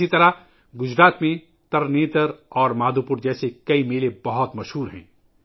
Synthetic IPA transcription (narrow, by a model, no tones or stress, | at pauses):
it̪ɐɾa | ɡʊd͡ʒɾaːt̪mẽ | t̪ɐɾneːt̪əɾɔːɾmaːd̪ʱupʊɾd͡ʒɛːsekɐimeːlebɐɦɔt̪mɐʃɦuːɾɦɛ̰̃ː